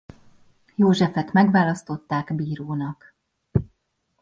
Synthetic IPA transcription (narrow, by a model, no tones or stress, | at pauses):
joːʒɛfɛt̪mɛɡʋaːlɒst̪o̞t̪ːaːɡbiːɾoːnɒk